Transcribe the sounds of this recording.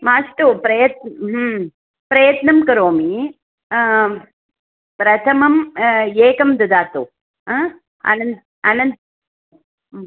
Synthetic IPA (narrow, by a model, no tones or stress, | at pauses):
maːsʈupɾɐjɐt̪̚nɦ | pɾɐjɐt̪nɐmkɐɾoːmi | pɾɐt̪ʰɐmɐmjeːkɐmd̪ɐd̪aːt̪u | ɐ̰nɐn | ɐnɐn